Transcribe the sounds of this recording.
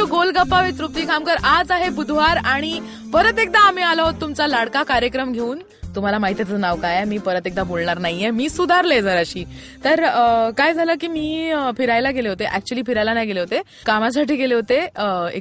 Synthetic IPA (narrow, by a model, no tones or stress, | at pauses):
uɡolɡapːaʋit̪ɾup̚t̪iːkamkəɾad͡zaɦebud̪ʱʋaɾaɽ̃i | pəɾət̪ek̚d̪aːm̤iːalaɦot̪ːumt͡salaɽkakaɾjəkɾəmɡʱeuːn | t̪um̤alamaɦit̪jat̪ənaʋkajamiːpəɾət̪ek̚d̪abolɳaɾnaɦijemiːsud̪ʱaɾled͡zʱəɾaɕiː | t̪əɾkajd͡zʱalək̬iːmiːfʰiɾajlaɡeleɦot̪eʔæk̚t͡ɕuəliːpfiɾajlanajɡeleɦot̪e | kamas̬aʈiːɡeleɦot̪eḛ